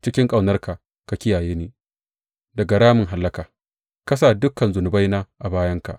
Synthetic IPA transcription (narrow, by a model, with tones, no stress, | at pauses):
t͡ʃɪ˦kʲɪ˦ŋkʼa˨wnɐ˦rka˨ | ka˨kʲɪ˦jaː˨jeː˦neː˨ | dɐ˨ɡa˨ɾaː˦mɪ˨ŋɦa˨lːɐ˦kaː˨ | kɐ˦s̬a˨dʊ˦kɐ˨nzʊ˨nʊ˨ba˦jnaː˦ʔa˨baː˦jɐ˦ŋka̰˨ʔ